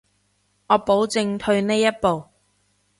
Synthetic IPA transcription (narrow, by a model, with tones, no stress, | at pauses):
ŋɔː˨˧po˨˥wt͡sɪ˧ŋt̪ʰɵ˧ɥne˥jɐ˥t̚po˨w